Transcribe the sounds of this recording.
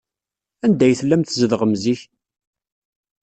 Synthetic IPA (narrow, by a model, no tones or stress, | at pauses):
ænd̪æjθəlːæmt̪zəðʁəmziç